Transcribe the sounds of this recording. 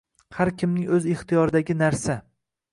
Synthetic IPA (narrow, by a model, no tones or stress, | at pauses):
haɾkʲʰɪmnɪŋɵzɪχt̪ijɒɾɪd̪aɡʲɪnaɾsa